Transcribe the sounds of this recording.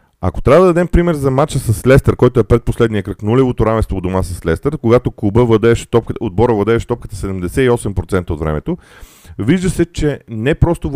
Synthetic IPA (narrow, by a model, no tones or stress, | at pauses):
ɐ̰ko̥t̪ɾʲavəd̪ɐd̪ɐd̪ɛmpɾimɛɾzɐmat͡ʃəsɐslɛst̪əɾkɔjt̪oɛpɾɛt̪̚poslɛd̪nijəkɾəknulʲɛvot̪oɾamɛnst̪vod̪omasəslɛst̪əɾkoɡat̪okubəvɐd̪ɛʃt̪ɔpkəod̪̚bɔɾəvɐd̪ɛːʃt̪ɔp̚kə̥t̪ə̥sɛd̪ɛmd̪ɛsɛiɔsɛmpɾot̪sɛnt̪əot̪vɾɛ̰mɛt̪o | viʒd̪əsɛt͡ʃɛnɛpɾɔst̪o